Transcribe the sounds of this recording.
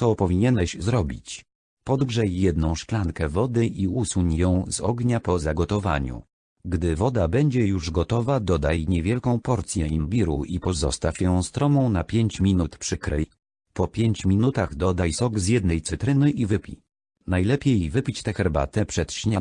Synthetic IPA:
sɔpɔvʲiɲɛnɛɕzɾɔbʲit͡ɕ | pɔd̪ɡʐɛjːɛd̪nɔ̃w̃ʂklaŋkɛvɔd̪ɘʔiusuɲjɔ̃w̃zɔɡɲapɔzaɡɔt̪ɔva̰ɲṵ | ɡd̪ɘvɔd̪abɛɲd͡ʑɛjuʐɡɔt̪ɔvad̪ɔd̪ajɲɛvʲjɛlkɔ̃w̃pɔɾt̪sʲjɛimbʲiɾṵʔipɔzɔ̰st̪afʲjɔ̃w̃st̪ɾɔmɔ̃w̃napʲjeɲt͡ɕmʲinut̪pʂɘkɾɛj | pɔpʲjeɲt͡ɕmʲinut̪aɣd̪ɔd̪ajsɔɡzʲjɛd̪̚nɛjt̪sɘt̪ɾɘnɘʔivɘpʲḭ | najlɛpʲjejvɘpʲit͡ɕt̪ɛxɛɾba̰t̪ɛpʂɛt̪ɕɲa

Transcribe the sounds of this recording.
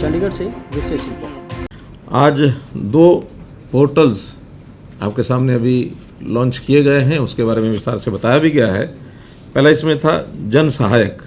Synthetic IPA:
t͡ʃɐ̃ɳɖiɡəɽseʋɪʃeːʃɾɪkaɦɛ | aːd͡ʒd̪oː | poːɾʈəls | a̰ːp̚kesaːmneɐbʱi | lɔ̃ːnt͡ʃkijeɡɐeɦɛ̃ʊskebaːɾemẽʋɪst̪a̰ːɾsebɐt̪aːjabʱiɡɐjaɦɛ̰ː | pɛɦlaɪsmẽt̪ʰa̰d͡ʒɐnsəɦaːjək

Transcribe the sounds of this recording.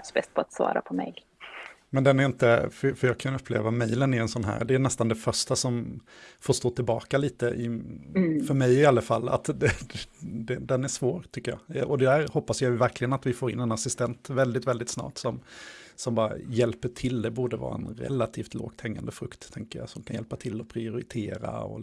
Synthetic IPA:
sbɛst̪̚pʰɔat̪svɑ̰ːɾa̰pʰɔmɛ̰ɡ | mɛnd̪ɛnæɾɪnt̪əfœfœɾjɑːkʰanɵpʰːlḛːvamɛjlənæɾɛnsɔnɦæ̰ːɾd̪ɛːnɛst̪and̪ɛfœʂʈasɔmfoːʂt̪oːt̪ʰɪlbɑ̰ːkaliːt̪əʔɪ | fœɾmɛjɪalːafalːa̰t̪d̪ɛ | d̪ɛd̪ɛnæʂvoːɾt̪ʰʏkːəjɑ̰ːɔd̪ɛæːɾhɔpːasjajvæɾklɪɡənat̪vɪfoːɾɪ̰nːɛnasɪst̪ɛnt̪vɛld̪ɪt̪vɛld̪ɪt̪snɑ̰ːʈsɔmsɔmbɑːɾa̰jɛlpəʈʰɪld̪ɛbuːɖəvɑ̰ːɾa̰ɛ̰nɾɛ̰lːat̪ʰiːft̪lo̰ːɡ̥t̪ʰɛŋːa̰nd̪əfɾɵkt̪ʰːɛŋkəɾja̰sɔmkʰanjɛlpat̪ʰɪlːɔpʰɾɪʊɾɪt̪ʰeːɾa̰ɔ̰

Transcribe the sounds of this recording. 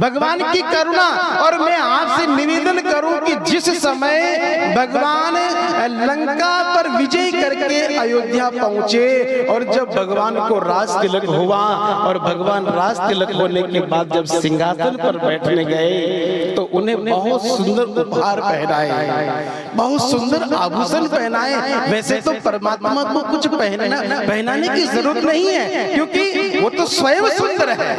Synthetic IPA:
bʱɐɡʋaːnkikɐɾʊɽaɔːɾmɛ̃aːpsenɪʋeːd̪ənkɐɾũkid͡ʒɪssɐməjbʱɐɡʋaːnlɐ̃ŋkapɐɾʋɪd͡ʒəikɐɾkeajoːɡ̪japɐɦʊ̃t͡ʃeɔːɾd͡ʒɐbːʱɐɡʋaːnkoɾaːd͡ʒkɪləkɦoʋaɔːɾbʱɐɡʋaːnɾaːd͡ʒkɪləkɦoːlekebaːd̪̚d͡ʒɐbsɪ̃ŋɡʱaːfɪlpɐɾbɛːʈʰneɡɐet̪oʔʊnɦẽbɐɦʊt̪sʊ̃nd̪əɾʊpɦaːɾpɛɦɾaːe | bɐɦʊt̪sʊ̃nd̪əɾaːbʱuːsənpɛɦnaːeʋɛːset̪ot̪əɾəmaːt̪makokʊt͡ʃʰpɛɦapɛɦnaːnekizɐɾuːɾət̪nɐɦĩɦɛːkjõːkiʋot̪osʋɐjəmsʊ̃nd̪əɾɦɛɛ

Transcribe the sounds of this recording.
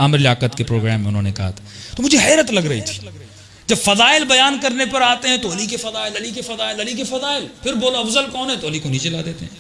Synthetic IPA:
aːmɾɪlaːkət̪kepɾoːɡɾɛːmːẽʊnɦõːnekɐɦa̰t̪ʰat̪omʊd͡ʒʱeɦɛːɾət̪lɐɡɾɐḭt̪ʰi̥ | d͡ʒɐbfɐzaːɪlbɐjaːnkɐɾnepɐɾaːt̪eɦɛ̃t̪oɦɐlikefɐzaːɪlɐlikefɐzaːɪlɐlik̬efɐzaːɪlpʰɪɾboːloɐfzəlkɔːnɦɛt̪olikonĩt͡ʃɐlaːd̪eːt̪ḛɦɛ̃ː

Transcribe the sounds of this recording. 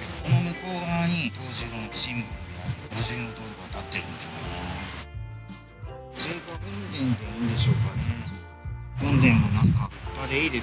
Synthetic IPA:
konomɯkoːɡaɲ̟it̪oːʑioɕĩmbɯɾɯjaoʑiñt̪oːd̪okat̪at̪ːe̞ɾɯ̟̃nd̪e̞sione | oɾeɡaɯ̃nd̪ẽ̞nd̪eɯːnd̪e̞ɕo̞ːkane | ɯ̃nd̪ẽ̞mmo̞nãŋkaipːad̪eiːd̪e̞

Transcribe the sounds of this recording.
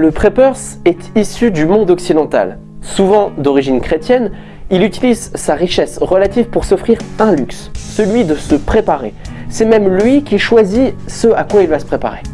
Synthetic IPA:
ləpχepœʁs | ɛt̪isyd̪ymɔ̃d̪ɔksid̪ɑ̃t̪a̰l | suvɑ̃d̪ɔʁiʒinkχet̪jɛn | ilyt̪ilizsaʁiʃɛsʁəlat̪ivpuʁsɔfχiʁɛ̃lyksːəlɥid̪əsəpχepaʁe | sɛmɛmlɥikʲiʃwazisəakwailvasəpχepa̰ʁḛ

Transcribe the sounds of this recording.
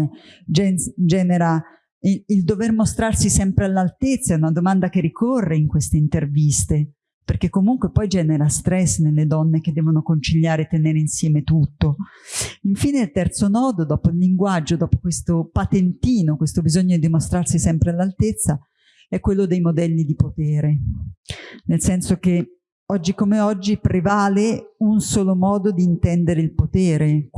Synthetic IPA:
d͡ʒɛnd͡ʒɛːneɾa | iild̪overmost̪ɾarsisɛmpɾealːalt̪et̪sːaɛunad̪omand̪akerikʰorːeiŋkwest̪eint̪ervist̪e | perk̟ekːomuŋkwepɔjd͡ʒɛːneɾast̪ɾɛsːnelːed̪ɔnːek̟ed̪ːɛːvonokont͡ʃiʎːaːɾet̪ːeneːɾeinsjɛːmet̪ut̪ːo | iɱfiːneilt̪ɛrt̪sonɔːd̪od̪ɔːpoilːiŋɡwad͡ʒːod̪ɔːpo̥kwest̪opat̪ent̪iːnokwest̪obizɔɲːod̪id̪imost̪ɾarsisɛmpɾealːalt̪et̪sːa | ɛkːwelːod̪ejmod̪ɛlːid̪ipot̪ɛːɾe | nelsɛnsoke | ɔd͡ʒːikomeɔd͡ʒːipɾevaːleunsoːlomɔːd̪od̪iːnt̪ɛnd̪eɾeilpot̪ɛːɾe

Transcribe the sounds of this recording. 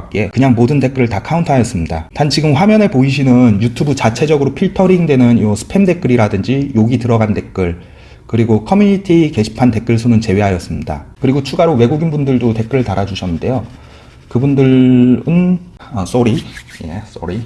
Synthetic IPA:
k͈e̞kɯɲaŋmodɯnte̞k͈ɯɾɯɭtakʰauntʰajʌs͈ɯmɲida̰tant͡ɕiɡɯmɸwamjʌne̞poiɕ̬ʰinɯnjutʰubut͡ɕat͡ɕʰe̞d͡ʑʌɡɯɾopʰiɭtʰʌɾiŋdwe̞nɯniwʌsʰɯ̥pʰe̞mde̞k͈ɯɾiɾadɯnd͡ʑijoɡitɯɾʌɡante̞k͈ɯɭ | kɯɾiɡokʰʌmjuɲitʰike̞ɕʰi̥pʰante̞k͈ɯɭsʰonɯnt͡ɕe̞we̞ɦajʌs͈ɯmɲida̰kɯɾiɡot͡ɕʰuɡaɾowe̞ɡuɡinbundɯɭdote̞k͈ɯɾɯɭtaɾad͡ʑuɕʰʌnːɯnde̞jo | kɯbundɯɭɯnʌs͈oɾije̞̰s͈o̰ɾi

